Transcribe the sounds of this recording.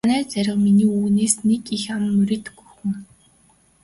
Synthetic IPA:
næːt͡sæɾʲɪ̆wminiːuːɣneːsnekixamːɵɾʲĕːt̪xuxɘ̆ŋ

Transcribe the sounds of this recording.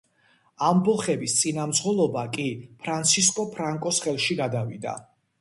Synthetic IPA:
ambɔlˠχɛbist̪sʼinamd̪zʁɔlˠɔbakʼipʰɾant̪sʰis̬kʼɔpʰɾaŋkʼɔsχɛlˠʃiɡad̪avid̪a̰

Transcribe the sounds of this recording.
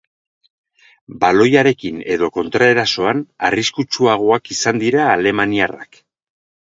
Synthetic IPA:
balo̞jaɾe̞kine̞ðo̞ko̞nt̪ɾae̞ɾaso̞ana̰riskut͡ʃuaɣ̞o̞akisand̪iɾaːle̞maniara̰k

